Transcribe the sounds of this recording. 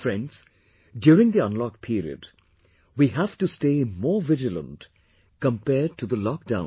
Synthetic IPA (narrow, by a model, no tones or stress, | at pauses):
fɹɛ̃ndz̥ | djuːɾɪ̃ŋd̪iə̃nlɔk̚pʰiːɾḭə̰d | wiɦæv̥tusteːmɔːvɪd͡ʒələ̰̃nt | kə̃mpɛːd̚ʈʰuðəlɔk̚d̥ãʊ̃